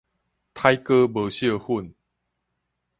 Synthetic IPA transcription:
t̪ʰa˦jkə˦bə˨ɕjə˥˧hu˥˧˨n

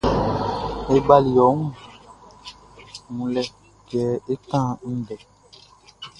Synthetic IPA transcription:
e˦ba˦li˨jɔ˨˦ŋũ˦˨ | mũ˨lɛ˦ | ɡɛː˨˦e˦tã˦˨n̩˦dɛ˨

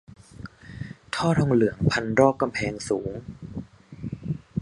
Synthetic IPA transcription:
t̪ʰɔː˥˩t̪ʰɔː˧ŋlɯ˩˦əŋpʰa˧nɾɔː˥˩k̚kːa˧mpʰɛː˧ŋsuː˩˦ŋ

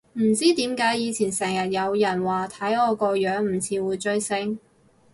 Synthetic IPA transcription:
m̩˨˩t͡siː˥t̪iː˨˥mkaː˨˥jjiː˨˧t͡sʰiː˨˩nsɛː˨˩ŋjɐ˨˩t̚jɐ˨˧wjɐ˨˩nwaː˨˩t̪ʰɐ˨˥jɔː˨˧kɔː˧jœː˨˧˥ŋm̩˨˩t͡sʰiː˨˥wuː˨˧jt͡ʃɵ˥ɥsɪ˥ŋ

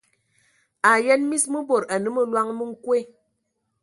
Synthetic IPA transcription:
a˨jɛ˦nmi˦smɨ˦bo˨ɾa˨nɨ˦mɨ˦lwa˦ŋmɨ˦ŋ̩˦kwe˦˨

